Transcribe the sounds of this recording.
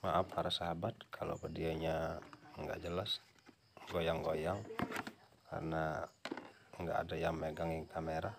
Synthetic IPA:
maʔapʰːaɾasaɦabat̪̚kʰalo̰kədiaɲaŋɡa̰ʔd͡ʒəlas | ɡojaŋɡojaŋ | kʰa̰rna | ŋɡa̰ʔːdajaŋmeɡaŋjaŋkʰameɾa

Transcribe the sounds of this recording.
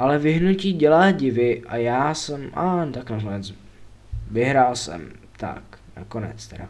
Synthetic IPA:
ʔalɛvɪɦnuciːɟɛlaːɟɪvɪʔajaːsɛmʔa̰t̪aknakonɛt͡s | vɪɦɾaːlsɛ̰mt̪a̰kna̰konɛ̰t͡st̪ɛɾa

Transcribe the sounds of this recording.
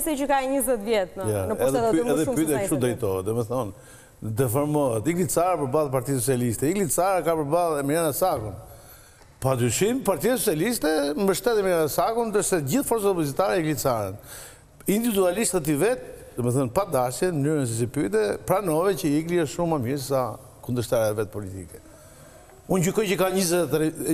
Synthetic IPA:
sɛt͡ʃəkaɲəzɛt̪vjɛt̪janəɛðɛðɛpyt̪ɛʃud̪ɾɛjt̪ɔɛd̪ɔmɛθɔn | d̪ɛfɔɾmɔɦɛt̪iɡlit͡saɾɛpəɾbalˠp̬aɾt̪ias̬ɔt͡sialist̪ɛiɡlit͡saɾɛkapəɾbalˠɛmɛjanasakun | pad̪yʃimpaɾt̪ias̬ɔt͡sijalist̪ɛmbəʃt̪ɛt̪ɛmɛɾanasakund̪əɾsɛɟiθfɔɾt͡saɔpɔzit̪aɾɛiɡlit͡saɾɛn | ind̪ivid̪ualist̪at̪ivɛt̪̚d̪ɔmɛθɔnpad̪asjɛnmənyɾəns̬is̬ipyt̪̬ɛpɾanɔvɛcəikliɛʃumamjɛɾssa | kund̪əɾʃt̪aɾavɛt̪̚pɔlit̪ḭkɛ̥ | unɟykɔjt͡ɕəkaɲizɛt̪ɾ

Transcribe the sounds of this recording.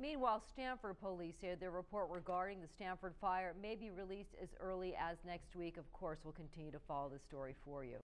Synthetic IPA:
mĩnwaɪlˠstæ̃nfə˞d̚pʰolisɛðəɹɨpʰɔɹt̚ɹɪɡɑɹɾɪ̃ŋðɨstæ̃ɱfə˞d̥faɪə˞meɪbiɹilistɨ̰zɜ˞lˠiʔɨznɛkst̚wikʌv̥kʰɔɹswəlˠkʰɨ̃n̩tʰɪ̃njʉɾɨfɑlˠoʊðɨstɔɹifəɹjʉ̰

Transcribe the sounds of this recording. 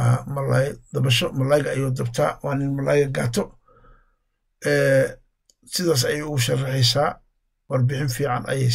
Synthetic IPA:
mɐlajd̪̥ɐβɐʃɔmɐlaːjɣɐɐjɔːd̪ɐbt̪ʰa̰ːwɑːnɪnmɐlaːjɣɐɡaːt̪ʰɔ | ʔɛː | sɪðaːs̬ɐjɛjʊɣʊʃɐrɑħɛjsaː | wɐrbɪħɪnfiːʕɑnʔɐ̰jɛj

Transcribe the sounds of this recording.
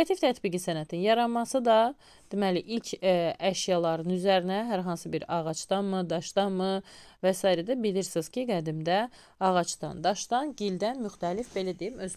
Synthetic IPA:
ɑt̪ift̪ʰæt̪biɡisænæt̪ʰinjɑɾɑmɑsɯd̪ɑ | d̪̥emæliʔilcʰæʃjɑlˠɑɾɯnyzæɾinæɦæɾɦɑnsɯbiɾɑɣɑt͡ʃd̪ɑnmɯd̪ɑʃd̪ɑnmɯvæsɑːiɾæd̪æbiliɾsiz̥cʰiɡæd̪imd̪æ | ɑɣɑt͡ʃd̪ɑ̰nd̪ɑʃd̪ɑnɟild̪ænmyxt̪ʰælifbe̞læd̪ejimøz

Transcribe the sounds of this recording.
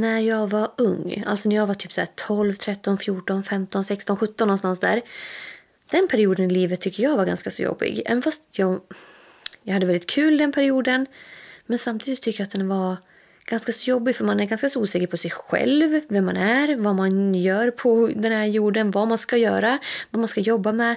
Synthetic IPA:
næɾjɑɡvaɵŋːa̰lsɔnæɾjɑːɡvaʈ̪ʰyːpsɔæːʈʰɔlvt̪ʰɾɛt̪ːɔnfjuːʈɔnfɛmt̪ɔnsɛkst̪ɔnɧɵt̪ːɔnːɔnst̪ansd̪æ̰ːɾ | d̪̥ɛnpʰæɾɪuːd̪ənɪliːvət̪ʰːʏk̪ːəɾjɑːɡvaɾɡa̰nskasɔ̰jɔ̰bːɪ̰ɡɛ̰ːvɛnfast̪jɑ | jɑɡhad̪əvɛlɪt̪̚kʰʉ̟ːld̪ɛnpʰæɾɪuːd̪ənmɛnsamt̪ʰiːd̪ɪst̪ʰːʏkːəjat̪̚d̪ɛnvaɾ | ɡ̥anskasɔjɔbːɪɡfœɾmanæɾɡanskasɔuːsɛːkəɾpʰɔsɛjɧɛ̰lvvɛmːanæɾvamanjœːɾpʰɔd̪ɛnhæɾjuːɖənvamanskajœ̰ːɾavamanskajɔbːamɛ

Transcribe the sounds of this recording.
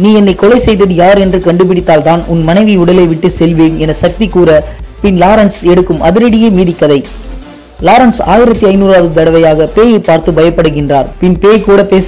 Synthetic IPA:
niːɛnːɐɪkɔlɐɪsɛjðɐðɯjaːɾɛndrɯkɐɳɖɯp̬ɪɽɪt̪ːaːlt̪aːnʊnmɐnɐɪʋɪʊɽɐleɪʋɪʈːɯsɛlʋeːnɛnɐsɐk̚t̪ikuːɾɐpɪnlaːɾɐnsɛɽɯkːɯmɐðɪɾɐɽɪjeːmiːðɪkːɐðɐɪ | laːɾɐnsa̰ːjɪɾɐt̪ːiɐɪnuːɾaːðɯt̪ɐɽɐʋɐjaːɣɐpeːjɐɪpːaːɾt̪ɯbɐjɐpːɐɽɯɣɪndraːɾpɪnpeːkuːɽɐpeːs

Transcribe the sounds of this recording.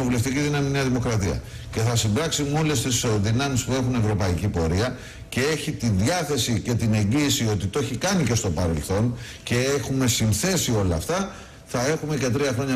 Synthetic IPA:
ovule̞ft̪iciðinɐminiɐðimo̞kɾɐt̪iɐ̰ | ce̞θɐsimbɾɐksimo̞lest̪isðinɐmispue̞xune̞vɾo̞pɐicipo̞ɾiɐ | ce̞e̞çit̪inðjɐθe̞sice̞t̪ine̞ɲɟiːsio̞t̪it̪o̞çikɐnice̞st̪o̞pɐɾe̞lθo̞n | ce̞exume̞sinθe̞sio̞lɐːft̪ɐ | θɐe̞xume̞ce̞t̪ɾiɐxɾo̞ɲɐ

